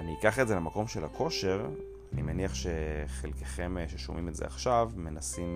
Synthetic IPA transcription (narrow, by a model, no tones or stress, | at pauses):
aniikaχezelemako̞mʃelakʰo̞ʃe̞ʁ | animeniaχʃe̞χelkeχe̞mʃeʃo̰mimetzḛa̰χʃavme̞nasim